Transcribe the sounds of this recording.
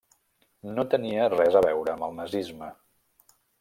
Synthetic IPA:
not̪əniərɛzəβ̞ɛwɾəːməlˠnəzizmə

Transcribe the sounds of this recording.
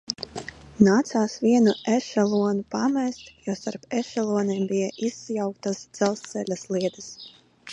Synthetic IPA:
naːt̪saːsviɛnuʔɛʃɛlˠuɔnupamɛst̪jɔst̪aɾpɛʃɛlˠuɔniːmbijaʔisːjawk̚t̪asd̪z̥ɛlˠst̪sɛlʲaslˠiɛd̪ɨs

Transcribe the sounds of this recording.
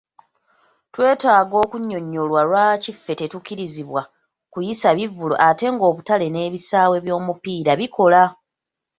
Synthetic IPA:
twe̞ːtaːɡo̞ːkuɲːo̞ɲːo̞lwalwaːcifːe̞te̞tukiɾiziβwa | kujisaβivːulo̰ʔate̞ŋɡo̞ːβutale̞ne̞ːβisaːwe̞βjo̞ːmupiːɾaβikʰo̞la

